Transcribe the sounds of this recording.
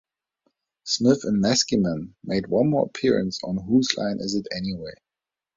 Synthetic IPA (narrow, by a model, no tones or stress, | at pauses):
smɪθɨ̃nmæskimə̃nmeɪd̚wʌ̃nmɔːɹəpʰɪɹɨ̰̃nsn̩ɦuzlã̰ɪ̃nʔɪ̰zɨtɛniweɪ